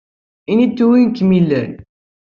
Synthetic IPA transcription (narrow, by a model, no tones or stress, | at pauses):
init̪ːuwinkːəmilːæn